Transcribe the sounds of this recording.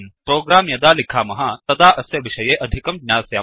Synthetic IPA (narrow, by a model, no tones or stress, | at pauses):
npɾoːɡɾaːmjɐd̪aːlikʰaːmɐɦɐt̪ɐd̪aːʔɐsjɐʋiʃɐjeːʔɐd̪ʱikɐmɡɲʲaːsjaː